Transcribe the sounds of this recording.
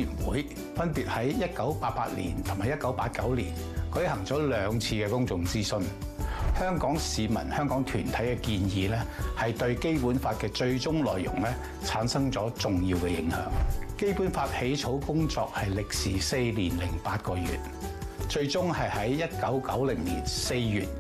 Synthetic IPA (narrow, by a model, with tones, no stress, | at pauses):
jy˨˩nwṵː˨˥j | fɐ˥npiː˨t̚hɐ˨˥jjɐ˥t̚kɐ˨˥wpaː˧t̚pa̰ː˧t̚lḭː˨˩nt̪ʰʊ˨˩maː˨jɐ˥t̚kɐ˨˥wpaː˧t̚kɐ˨˥wlḭː˨˩n | kɵ˨˥jhɐ˨˩ŋt͡sɔː˨˥lœː˨˧ŋt͡sʰiː˧kɛː˧kʊ˥ŋt͡sʊ˨˧ŋt͡siː˥sɵ˧n | hœː˥ŋkɔː˨˥ŋsiː˨˧mɐ̰˨˩nhœː˥ŋkɔː˨˥ŋt̪ʰyː˨˩nt̪ʰɐ˨˥jkɛː˧kiː˧njiː˨˧lɛː˥hɐ˨jt̪ɵ˧ɥke˥jpuː˨˥nfaː˧t̚kɛː˧t͡ʃɵ˧ɥt͡sʊ˥ŋlɔ̰ː˨jjʊ̰˨˩ŋlɛː˥ | t͡sʰaː˨˥nsɐ˥ŋt͡sɔː˨˥t͡sʊ˨ŋjiː˧wkɛː˧jɪ˨˧˥ŋhœ̰ː˨˥ŋke˥jpuː˨˥nfaː˧t̚he˨˥jt͡sʰo˨˥wkʊ˥ŋt͡sɔː˧k̚hɐ˨jlɪ˨k̚siː˨˩se˧jliː˨˩nlɪ˨˩ŋpaː˧t̚kɔː˧jy̰ː˨t̚ | t͡ʃɵ˧ɥt͡sʊ˥ŋhɐ˨jhɐ˨˥jjɐ˥t̚kɐ˨˥wkɐ˨˥wlɪ˨˩ŋlḭː˨˩nse˧jjyː˨t̚